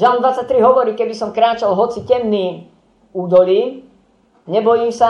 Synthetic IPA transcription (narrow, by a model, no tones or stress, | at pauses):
ʒalmnd̪ʋat͡sac̚t̪ɾiɦɔʋɔɾiːkɛbisɔmkɾaːt͡ʃalˠɦɔt͡sicɛmniː | uːd̪ɔliː | ɲɛbɔjiːmsa